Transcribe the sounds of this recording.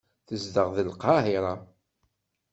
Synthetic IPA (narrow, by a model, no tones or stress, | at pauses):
θəzd̪əʁðəlqɑɦɪɾˤɑ